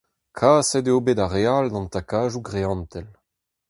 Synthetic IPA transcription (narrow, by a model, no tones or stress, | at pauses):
kʰaːsɛdeoːbedaʁeald̪ɑ̃nt̪akaːʒuɡʁeɑ̃nt̪ɛl